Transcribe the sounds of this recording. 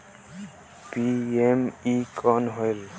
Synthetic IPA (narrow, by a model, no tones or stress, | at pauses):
piemikʰɔnɦɔjl